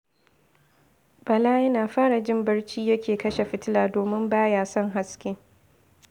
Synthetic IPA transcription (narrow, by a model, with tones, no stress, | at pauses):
b̥ɐ˨laː˦jɐ˦naː˨ɸaː˦ɽa˨d͡ʒɪ˦mbɐ˦ɽt͡ʃiː˦jɐ˦kʲʰeː˨kɐ˦ʃe˨ɸɪ˦tɪ˦laː˨doː˨mɪ˦mbaː˦jaː˦˨sɔ˦ŋɦa˦skʲeː˦